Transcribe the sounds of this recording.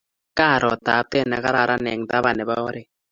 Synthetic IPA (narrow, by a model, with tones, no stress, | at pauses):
ka˦˨ɾɔ˨ta˨˦tɛ˦˨na˨ka˦ɾa˦˨ɾʔa˦nɛ˨ŋ˨t̪a˦βa˨nɛ˨βa˦ɔ˦ɾe˦